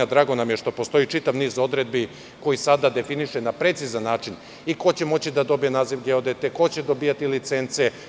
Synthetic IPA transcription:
ad̪ɾaːɡo̞namjeʃt̪o̞po̞st̪o̞it͡ʃit̪aʋniːzo̞d̪ɾe̞d̪bi | ko̞jisad̪ad̪e̞finiʃenapɾe̞t̪sizanːaːt͡ʂin | iko̞t͡ɕe̞mo̞t͡ɕid̪ad̪o̞bijenaːziʋɡeod̪et̪eko̞t͡ɕe̞d̪o̞biːjat̪ilit̪se̞nt̪se̞

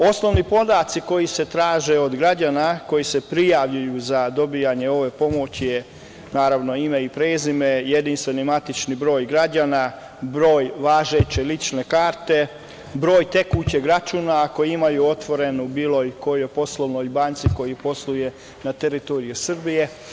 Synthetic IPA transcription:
o̞sno̞ʋnipo̞d̪at̪siko̞jise̞t̪ɾaːʒe̞o̞d̪ɡɾad͡ʑaːnako̞jise̞pɾijaʋʎujuzad̪o̞bijaɲe̞o̞ʋe̞po̞mo̞t͡ɕje | naːɾaʋno̞imeipɾeːzime̞jed̪inst̪ʋe̞nimat̪it͡ʃnibɾo̞ːjɡɾad͡ʒaːna | bɾo̞ːjʋaːʒe̞t͡ɕe̞lit͡ʃne̞kaːɾt̪e̞ | bɾo̞ːjt̪e̞kut͡ɕeɡɾat͡ʃuːnako̞jiimajuo̞t̪ʋo̞ɾe̞nubiːlo̞jko̞jojpo̞slˠoʋnoːjbaːnt̪siko̞jipo̞sluje̞ | nat̪e̞ɾit̪o̞ɾijusr̩bije̞

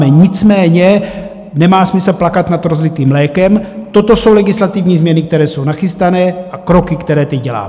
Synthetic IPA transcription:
mɛɲɪt͡smɛːɲɛ | nɛmaːsmɪslplakat̪nad̪ɾozlɪt̪iːmlɛːkɛmt̪ot̪o̞so̞wlɛɡɪslat̪ɪvɲiːzmɲɛnɪk̚t̪ɛɾɛːso̞wnaxɪst̪anɛːʔakɾo̞kɪkt̪ɛɾɛːt̪ɛɟɟɛla̰ː

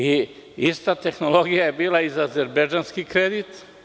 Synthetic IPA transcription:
iist̪at̪e̞xnolo̞ɡijaje̞biːlˠaizaazeɾbed͡ʒanskikɾed̪it̪

